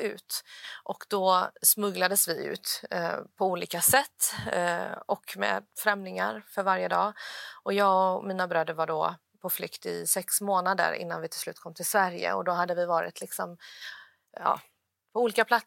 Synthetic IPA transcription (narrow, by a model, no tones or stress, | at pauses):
ʉ̟̰ːt̪ʔɔkd̪̥ɔsmɵɡlad̪əsvɪʉ̟̰ːt̪pʰɔuːliːkasɛt̪ː | ɔkmɛ̰ːd̪fɾɛmnɪŋa̰ɾfœɾvaɾjəd̪ɑːʔɔjɑːɡɔmiːnabɾœːd̪əɾvaɖɔ | pʰɔflʏkt̪ɪ̰sɛksmoːnad̪ə̰ɾɪ̰n̪ːanvɪt̪ʰɪlslʉ̟ːt̪̚kʰɔmːt̪ʰɪlsvæɾjə̰ɔ̰d̪ɔɦad̪ːəvɪvɑːɾɪ̰t̪ʰlɪksɔm | ɑ̰ː | pʰɔuːliːkapʰlat̪